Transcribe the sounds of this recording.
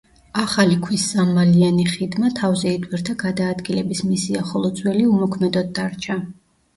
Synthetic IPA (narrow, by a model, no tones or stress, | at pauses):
aχalikʰwisːamalianiχid̪mat̪ʰavzɛid̪ʰʼwiɾt̪ʰaɡad̪aːd̪ɡilɛbismisiaχɔlˠɔt̪zʼwɛliumɔkʰmɛd̪ɔt̪̚d̪ːaɾt͡ʃʰa